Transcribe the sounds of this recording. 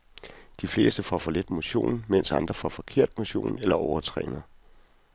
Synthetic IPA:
d̥ifle̝ːsd̥əfɒ̰fɒ̽led̥mo̝ɕo̝̰ːnmen̰sɑ̈nd̥ʁɐfɒfɒ̽kʰe̝ɐ̰d̥̚mo̝ɕo̝̰ːnelɐʔɒʊɐt͡sʰʁɛ̰ːnəð̩ˠ

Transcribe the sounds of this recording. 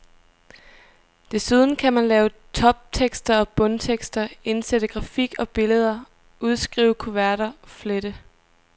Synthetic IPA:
d̥e̝suð̞ˠn̩kʰæmænlɛːʊt͡sʰɒ̽b̥̚t͡sʰeɡ̥sd̥ɐɒ̽b̥ɔ̽nt͡sʰeɡ̥sd̥ɐe̝nsed̥əɡ̥ʁɑ̈fiɡ̥ɒ̽b̥e̝ləð̞ˠɐ | uð̞ˠsɡ̥ʁḭːʊkʰo̝ʋæɐɾ̥ɐfleɾə

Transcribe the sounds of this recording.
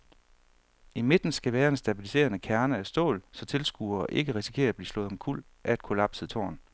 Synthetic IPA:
ime̝d̥n̩sɡ̥æʋæːɐe̝nsd̥æb̥ilise̝̰ːɐnəkʰæɐnəæsd̥ɔ̰̽ːlsɒ̽t͡sʰe̝lsɡ̥uːɐːʔe̝ɡ̥əʁisi̥kʰe̝̰ːɐæb̥liːslɔ̽ːð̩ˠmnkʰul̰ | ʔææd̥̚kʰo̝lɑ̈b̥səðˠt͡sʰo̝̰ːɐn

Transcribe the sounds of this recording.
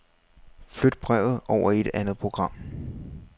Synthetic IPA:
flød̥̚b̥ʁɛʊð̩ˠɒʊ̰ɐe̝d̥ænð̩ˠpʰo̝ɡ̥ʁɑ̈m̰

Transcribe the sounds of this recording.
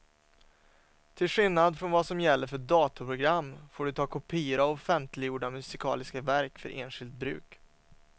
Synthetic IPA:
t̪ʰɪlɧɪlnad̪fɾɔnvasɔmjɛlːəɾfœɖɑːt̪apʰɾʊɡɾamːfoːɖɵt̪ʰɑːkʰʊpʰiːəɾaɔfɛnt̪ʰlɪjuːɖamɵsɪkʰɑ̰ːlɪskavæɾkfœ̰ɾʔḛːnɧɪlt̪̚bɾʉ̟ːk

